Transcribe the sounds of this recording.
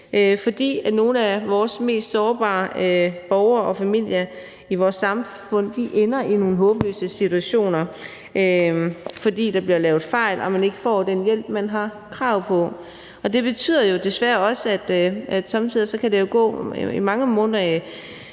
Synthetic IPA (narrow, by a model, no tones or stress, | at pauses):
ʔøfɒ̽d̥ḭːæno̝ːn̩æʋɒːsme̝̰ːsd̥sɒːb̥ɑ̰̈ːøb̥ɒʊɐɒ̽fæmil̰jɐ | iʋɒːsːɑ̈m | fɔ̽n̰d̥iʔenɐʔino̝ːn̩ɦɔ̽ːb̥lø̰ːsəsit͡sʰuæɕo̝̰ːnɐ | ʔøfɒ̽d̥ḭːd̥ɑ̈b̥liɐlɛːʊð̞̩ˠfɑ̈ɪ̰lʔɒ̽mæne̝ɡ̥əfɒ̰ːd̥enjel̰b̥̚mænɦɑ̈ | kʰʁɑ̈ʊ̰pʰɒ̽ | ɒ̽d̥e̝b̥e̝t͡sʰy̰ð̰ˠɐjo̝d̥e̝sʋæːɐɒ̽səæd̥æd̥sɑ̈mt͡sʰið̰ˠisɒ̽kʰæd̥e̝jo̝ɡ̥ɔ̰̽ːimɑ̈ŋəmɔ̽nðˠɐ